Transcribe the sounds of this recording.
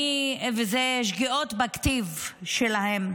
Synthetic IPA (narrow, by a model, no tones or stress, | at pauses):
vezeʃ̬ɡiʔot̪bakt̪ivʃelahem